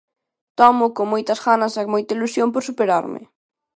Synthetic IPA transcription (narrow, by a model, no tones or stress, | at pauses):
t̪ɔmʊkoŋmojt̪ɐzɣanɐsakmojt̪ɐilusjompoɾsupeɾa̰ɾmɪ̰